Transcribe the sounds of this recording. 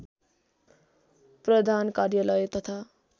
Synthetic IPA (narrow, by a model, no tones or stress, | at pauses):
prʌd̪ʱankarjʌlʌjt̪ʌt̪ʰa